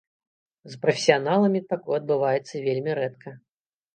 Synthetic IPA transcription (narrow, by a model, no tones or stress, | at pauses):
zpɾɐfʲɪ̥sʲijanalˠɐmʲit̪akɔjɐd̪̚bɨvajɛt̪sːɐvʲelʲmʲiɾɛt̪kʰɐ